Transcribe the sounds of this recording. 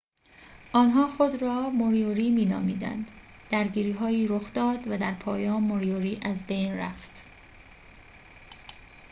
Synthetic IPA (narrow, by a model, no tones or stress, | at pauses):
ʔɒːnɦɒːxod̪ɾɒːmoɾijoɾiːmiːnɒ̰ːmiːd̪æ̰nd̪̥ | d̪̥æɾɟiːɾiːɦɒːiːɾoxd̪̥ɒːd̪væd̪æɾpʰɒːjɒːnmːoɾioɾiːʔæzbejnræ̰ft̪